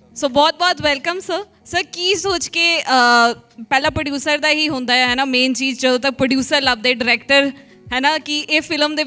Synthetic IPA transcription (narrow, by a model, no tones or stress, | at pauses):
soːbɔːt̪̚bɔːt̪ʋɛlkəmsə | səɾkiːsoːt͡ʃkeːəpɛːlãːpɾəɖjuːsəɾd̪aːɦiːɦʊ̃nd̪aːɛɦɛːnaːmẽːnt͡ʃiːd͡ʒt͡ʃəd̪õːt̪ək̚pɾəɖjuːsəɾləb̚d̪eːɖɪɾɛːkʈəɾ | ɦɛːnaːkiʔeːfʰɪləmd̪eː